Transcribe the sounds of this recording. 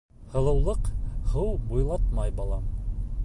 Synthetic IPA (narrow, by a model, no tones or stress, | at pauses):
hɤ̆lˠɤ̆wlˠɤqhɤwbujlˠɑt̪mɑjbɑlˠɑ